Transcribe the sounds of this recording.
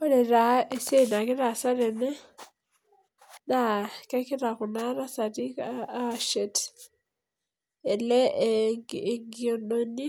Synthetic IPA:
o˦le˨ɾa˦e˨se˦ina˨ki˦ɾa˨sa˦ɾe˨ne˦ | na˦ka˦ki˦ɾa˨kuna˦ɾa˦sa˨tika˦ʃet | e˨le˦ | ŋɡiononi˦

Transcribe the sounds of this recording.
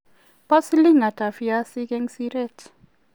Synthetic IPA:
pɔ˦sli˦ŋa˨ta˨fia˦si˦kɛ˦ŋsi˦ɾɛ˦t

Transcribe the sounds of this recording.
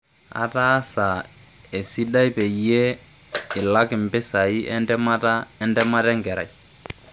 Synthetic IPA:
a̰˨ta˦sa˨ | ɛ˨si˦da˦i˦pɛ˨ie˦ | ɪ˨la˦kɪ˨mbɛ˦sa˨i˦ɛdɛ˦ma˦taɛndɛ˦ma˦ɾɛ˦ŋɡɛ˨ɾa̰˨i˨

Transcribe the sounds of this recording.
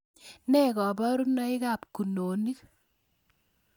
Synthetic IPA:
nɛ˦kɔ˨bɔ˦ɾu˦nɔ˦i˦ka˨p̚ku˨noː˨ni˦k

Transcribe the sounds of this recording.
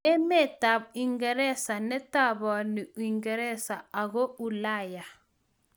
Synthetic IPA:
ɛ˦mɛ˦˨ta˨i˨ŋɡɛ˨ɾɛ˦sa˨nɛ˦ta˦bɔ˨ni˨i˨ŋɡɛ˨ɾɛ˦sa˨a˨ɣo˦u˨la˦˨ja˨

